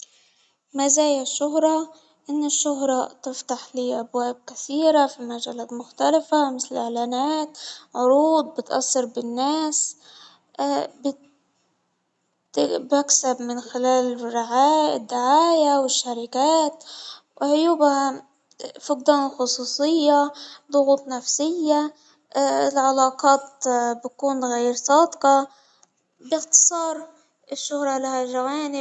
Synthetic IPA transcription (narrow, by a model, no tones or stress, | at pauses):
mazaːjaʃːʊɦɾˤɑ | ʔɪnːɪʃːʊɦɾˤɑt̪ɪft̪aħliːʔabwaːb̚kaθiːɾafimaʒalaːt̪mʊxt̪alafamɪθlɪlʔɪʕlaːnaːt̪ʕʊɾuːd̪̚ˤbɪt̪ʔɑ̰sːɑɾbɪnːaːs | b | baksabmɪnxɪlaːlɪrːɪʕaːɪd̪ːɪʕaːjawɪʃːaɾɪkaːt̪ | wʕʊjuːbha | fʊqd̪anxʊsˤuːsˤɨjːalˤʊɣuːt̪ˤnafsɪjːa | ɪlʕɑlɑːqɑːt̪bakuːnɣajɾsˤɑːd̪qɑ | bɪxt̪ɨ̥sˤɑːɾˤ | ɪʃːʊhɾˤɑlahaʒawaːnɪ